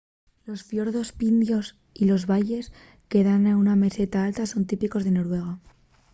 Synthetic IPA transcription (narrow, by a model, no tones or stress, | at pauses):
lo̞sfjo̞ɾðo̞spind̪jo̞s | ilo̞zβaʝe̞s | ke̞ðanauname̞se̞t̪aalt̪aso̞nt̪ipiko̞zðe̞no̞ɾwe̞ɣ̞a